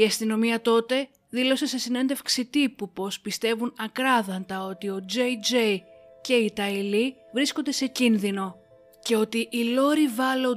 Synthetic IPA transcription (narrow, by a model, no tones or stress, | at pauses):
iɐst̪ino̞miɐt̪o̞t̪e̞ | ðilo̞se̞se̞sine̞nd̪e̞fksit̪ipupo̞spist̪e̞vunɐkɾɐðɐnt̪ɐo̞t̪io̞d͡ʒejd͡ʒej | ce̞it̪ɐili | vɾisko̞nd̪ese̞cinðino̞ | ce̞o̞t̪iʔːlo̞ɾivɐlo